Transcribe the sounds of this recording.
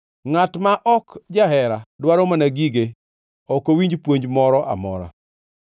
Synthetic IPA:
ŋatmaʔɔkd͡ʒaɦɛɾadwaɾomanaɡiɡe | ɔkowiɲd͡ʒpwoɲd͡ʒmɔɾɔʔa̰mɔ̰ɾa̰

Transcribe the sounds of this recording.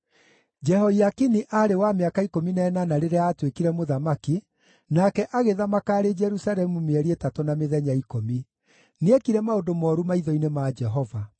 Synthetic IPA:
d͡ʒɛɦɔiakiniʔaːɾewameakaikominɛːnanaɾeɾeaːtwekiɾɛmoðamaki | nakɛʔaɣeðamakaːɾed͡ʒɛɾusaɾɛmumeɛɾietatonameðɛɲaikomi | neekiɾɛmaodomɔɾumaiðɔinemad͡ʒɛɦɔva

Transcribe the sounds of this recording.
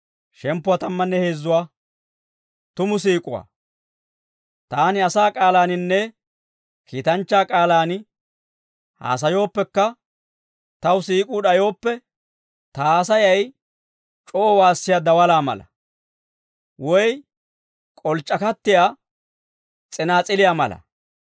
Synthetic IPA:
ʃɛmpːʊwaːt̪ɐmːɐnːɛheːzːʊwaː | t̪ʊmʊs̬iːkʼʊwa̰ː | t̪aːnɪɐsaːkʼaːlaːnɪnːɛ | kiːt̪ɐnt͡ʃːaːkʼaːlaːn | ha̰ːs̬ɐjo̞ːpːɛkːɐ | t̪ɐwsiːkʼuːɗɐjo̞ːpːɛ | t̪ɐːsɐjɐj | t͡ʃʼɔʔːwaːsːɪjad̪ɐwɐlaːmɐ̰lɐ̰ | wɔj | kʼɔlt͡ʃʼːɐkɐt̪ːɪjaː | t͡sʼɛnaːt͡sʼɪlɪjaːmɐlɐ̰

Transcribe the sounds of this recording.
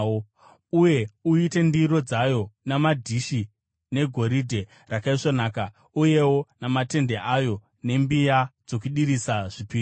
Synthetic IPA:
uje̞uite̞ndiɾo̞d͡zajo̞namadʱiʃi | ne̞ɡʱo̞ɾidʱe̞ | rakaiʂonaːka | uje̞wo̞namate̞nde̞ʔajo̞ | ne̞mbijad͡zo̞kuɗiɾisaʐ̥ipiː

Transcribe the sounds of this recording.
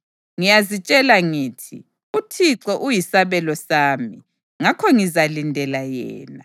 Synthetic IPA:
ŋijazit͡ʃʼɛlaŋiːtʰḭ | utʰiǁɔʔujisaβɛlɔsaːmi | ŋakʰɔŋizalindʱɛlajɛ̰ːna

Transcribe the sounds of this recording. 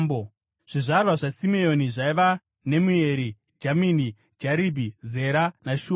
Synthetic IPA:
bo | ʐ̥iʐarwaʐasimeo̞niʐaiʋa | ne̞mueɾi | d͡ʒamini | d͡ʒaɾibʱize̞ɾanaʃuː

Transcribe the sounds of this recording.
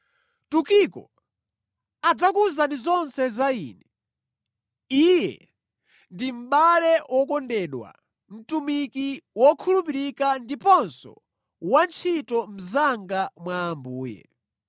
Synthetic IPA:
tukikɔ̰ | ad͡zakuzanizɔnsɛzaiːnɛ | ijɛ̰ | ndim̩ɓalɛwɔkɔndɛɗwa̰ | m̩tumikiwɔkʰulupiɾikandipɔnsɔ̰ | want͡ʃʰitɔm̩zaŋɡamwaːmbuːjɛ̰

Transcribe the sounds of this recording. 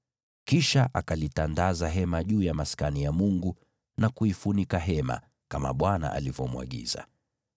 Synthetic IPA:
kiʃaʔakalitandazaɦɛmaʄuːjamaskanijamuŋɡu | nakuifunikaɦɛma̰ | kama̰ɓwana̰ʔa̰livɔmwa̰ɠḭza̰

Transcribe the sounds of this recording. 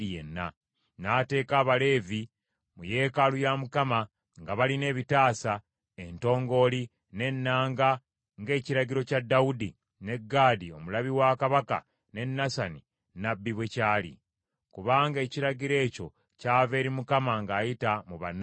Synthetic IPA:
ijḛnːa̰ | naːte̞ːkaːβale̞ːvi | muje̞ːkalujamukama | ŋɡaβaline̞ːβitaːsa | e̞nto̞ːŋɡo̞ːli | ne̞nːaːŋɡa | ŋɡe̞ːciɾaɟiɾo̞cadːaudi | ne̞ɡːaːdio̞mulaβiwakaβaka̰ | ne̞nːasani | nabːiβwe̞caːlḭ | kuβaːŋɡe̞ːciɾaɟiɾe̞ːco̞̰ | caːve̞ːɾimukamaŋɡaːjitamuβa̰n

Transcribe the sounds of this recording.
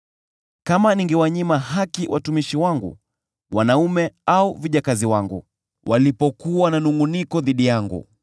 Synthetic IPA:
kamaniŋɡɛwaɲimaɦakiwʔa̰tumiʃiwaŋɡṵ | wanaumɛauviʄakaziwaŋɡṵ | wʔalipɔkuwananuŋunikɔðiɗijaŋɡṵ

